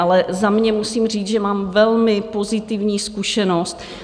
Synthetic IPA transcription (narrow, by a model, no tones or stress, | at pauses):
ʔalɛzamɲɛmusiːmriːt͡sʒɛmaːmvɛlmɪpo̞zɪt̪ɪvɲiːskuʃɛnost̪